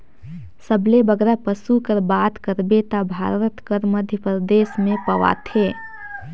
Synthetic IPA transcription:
səblebəɡɾapəsukəɾbaːt̪kəɾbet̪abʱa̰ːɾət̪kəɾməd̪ʱjəpɾəd̪eːsmẽpəʋa̰t̪ʰeː

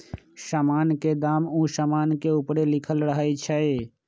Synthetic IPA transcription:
saːmaːnked̪aːmũːsaːmaːnkeupɾelɪkʰəlɾəɦit͡ʃʰəe

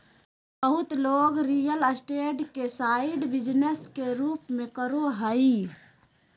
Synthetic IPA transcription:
bəɦʊt̪loːɡɾijələsʈeːʈkesaɪiɖbɪd͡ʒneskeɾuːpmẽkəɾoɦəi

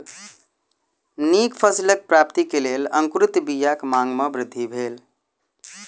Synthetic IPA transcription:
nikpʰəsilək̚pɾap̚t̪ikelelə̰̃ŋkɾɪt̪bijakmaŋɡmebɾɪd̪ʱːibʱeːl

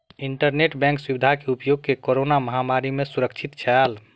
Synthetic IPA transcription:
iɳʈəɾneʈbɛ̃ŋkswubid̪ʱakeupjoɡ̚kekoɾonaməɦamaɾimesuɾəkt͡ʃʰit̪t͡ʃʰɛl

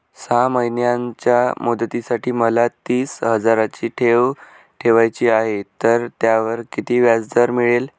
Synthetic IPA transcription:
saməɦinjãɲt͡ɕjamud̪t̪isaʈiːməlat̪iːsɦəd͡zaɾat͡ɕiːʈʰeʋ | ʈʰeʋajt͡ɕiːaɦet̪əɾt̪jaʋəɾkit̪iːʋjad͡zd̪əɾmiɭel

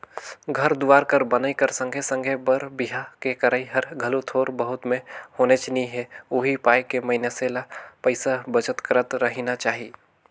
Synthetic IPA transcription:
ɡʱɐɾd̪ʊʋaːɾkɐɾbɐnaikɐɾsə̃ŋɡʱesə̃ŋɡʱebəɾbɪɦakekɐɾaːiɦɐɾɡʱɐlot̪ʰoːɾbɐɦʊt̪mẽhoːnet͡ʃɪniɦɛʊɦipaːjkemɐɦɪnjaseːlapɐɪsabɐt͡ʃət̪kəɾət̪ɾɐɦinat͡ʃaːɦi

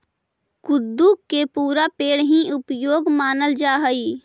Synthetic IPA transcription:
kʊd̪ːukːepuːɾapeːɽɦĩʊpjoːɡmaːnəld͡ʒaːɦəiː

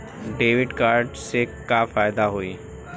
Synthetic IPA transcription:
ɖeːʋɪɖkaːɾɖsekafaːɪd̪aɦoiː

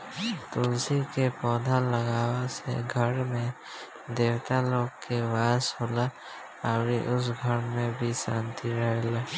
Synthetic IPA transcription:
t̪oːlsikepɔːd̪ʱaləɡaːwasḛɡʱəɾmẽ | d̪eːwt̪aloːɡkewaːsɦoːla | aːɾiʔʊs̬ɡʱəɾmẽbʱisãːnt̪iɾəɦela

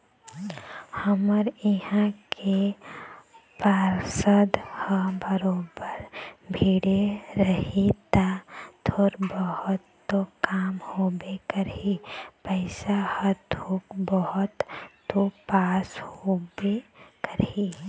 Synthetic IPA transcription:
həməɾɪɦãkʰe | paːɾsəd̪həbəɾoːbəɾbʱiːɽeɾəɦit̪at̪ʰoɾbəhʊt̪ː | okaːmhoːbekəɾɦipəɪsahəɾt̪ʰoːkbəɦʊt̪ː | opaːshobekəɾi

